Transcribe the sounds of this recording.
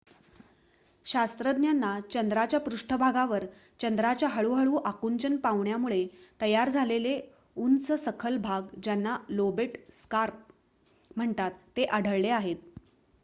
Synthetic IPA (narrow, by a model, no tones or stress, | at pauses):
ɕast̪ɾəd̪njanːat͡ɕənd̪ɾat͡ɕjapɾuʂʈʰəbʱaɡaʋəɾ | t͡ɕənd̪ɾat͡ɕjaɦəɭuːɦəɭuːʔakuɲt͡ɕənpaʋɳjamuɭet̪əjaɾd͡zʱalele | unt͡səsəkʰəlbʱaɡd͡ʑanːalobeʈskaɾp̚ | m̤əɳt̪at̪ːeʔaɽ̤ʱəɭleaɦet̪̚